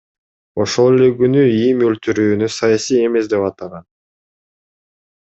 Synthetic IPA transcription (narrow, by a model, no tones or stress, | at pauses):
o̞ʃolˠele̞ɡynyimølt̪yɾyːnysɑjɑsije̞me̞sd̪e̞pɑt̪ɑʁɑn